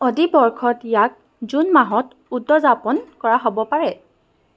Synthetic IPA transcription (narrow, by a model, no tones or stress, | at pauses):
ɔdibɔɹkʰɔtjak̚ | zunmaɦɔt | udːɔzapɔnkɔɹaɦobɔpaɹɛ